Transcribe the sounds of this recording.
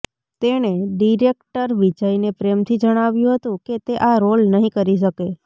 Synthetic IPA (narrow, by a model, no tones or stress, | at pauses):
t̪eneɖiɾekʈəɾʋid͡ʒainepɾemt̪ʰid͡ʒəɽ̃aʋjũɦət̪ũket̪eʔaɾolnəɦĩkəɾiʃ̬əke